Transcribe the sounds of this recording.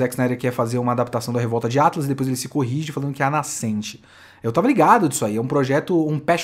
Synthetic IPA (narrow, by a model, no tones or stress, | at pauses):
ɛksnaɛɾɐkɪɛfazeɾũmɐad̪ap̚t̪asɐ̃w̃d̪ɐɦevɔwt̪ɐd͡ʒɪat̪lɐzɪd̪epojzelɪsɪkoɦiʒɪfalɐ̃nd̪ʊkɪɛnasẽnt͡ʃɪ̥ | ewt̪avɐliɡad̪ʊisʊaiɛũpɾoʒɛt̪ʊũpɛʃ